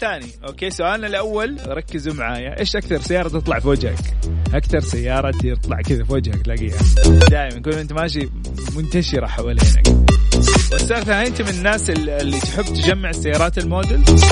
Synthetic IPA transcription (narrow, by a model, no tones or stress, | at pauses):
θaːniʔoːkeːsʊʔaːlnalʔawːalɾˤɑkːɪzumaʕaːjaʔeːʃʔakθɑɾˤsajːɑːɾˤɑt̪ɨt̪ˤlɑʕfoːd͡ʒha̰kʔakθɑɾˤsajːɑːɾˤɑt̪ɨt̪ˤlɑ̰ʕkɪðafoːd͡ʒhaklaɡjanid̪aːʔɪmankuːnʔɪnt̪maʃ̬i | mʊnt̪aʃɪɾaħawalḛːna̰k | wɪsɑːɾˤθahint̪mɪnɪnːaːsɪɪlːit̪ħɪbːt̪ɪd͡ʒamːɪʕɪsːajːɑːɾˤɑːt̪ɪlmoːd̪ɪl